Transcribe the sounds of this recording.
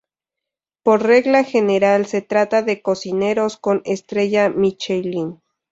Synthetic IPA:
poɾreɣlaxeneɾalset̪ɾat̪aðe̞kosineɾoskonest̪ɾeʝamit͡ʃejlin

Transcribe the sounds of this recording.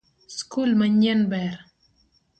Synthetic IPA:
skʰulmaɲanbɛɾ

